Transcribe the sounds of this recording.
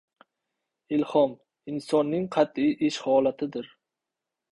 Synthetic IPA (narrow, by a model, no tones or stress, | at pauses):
ɪlhɒm | ɪnsɒnːɪŋqʰɑt̪iʔɪʃhɒlat̪ʰɪd̪ɪɾ